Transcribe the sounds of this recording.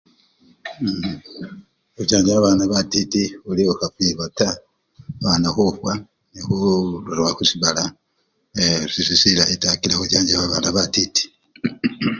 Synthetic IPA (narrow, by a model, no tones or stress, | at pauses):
uɟaːɲd͡ʒawaβaːnaβatitiuliokafiβata | βanaxufwa | nihuluɾwahusiβala | sisisilaetakilahoɟaːɲɟaβaβaːnaβatiti̥